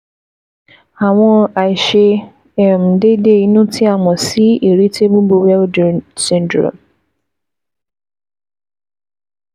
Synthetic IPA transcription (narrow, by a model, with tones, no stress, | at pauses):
a˨w̃ɔ̃˦a˨i˨ʃe˧ | ɛ˨m̩˨de˦de˦˨i˦nũ˦tʰi˦a˦˨mɔ̃˨si˦e˨ɾi˦tʰe˦bũ˦bo˧wɛ˦ldsɪ̃˨n̩˨˦dɾo̰˨